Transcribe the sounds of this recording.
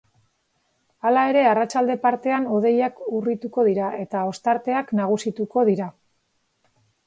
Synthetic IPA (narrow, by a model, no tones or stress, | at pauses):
alae̞ɾe̞arat͡ʃald̪e̞paɾt̪e̞anoð̞e̞jakurit̪uko̞ð̞iɾae̞t̪ao̞st̪aɾt̪e̞aknaɣ̞usit̪uko̞ð̞iɾa